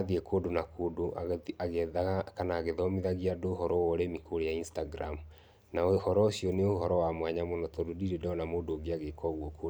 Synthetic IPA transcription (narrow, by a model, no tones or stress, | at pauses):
aðiekʰoːdonakoːdoaaɣɛaɣakanaːɣeðɔmiðaɣiadohɔɾɔwɔɾemikoɾejainstaɡɾamu | naohɔɾɔoɕijɔneohɔɾɔwamwaɲamonɔtɔdodiɾedɔɔnamoːdoɡiaɣekɔɣwɔko